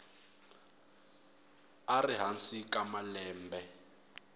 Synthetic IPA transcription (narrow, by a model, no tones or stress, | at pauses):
ariɦansikʼamalɛːmbɛ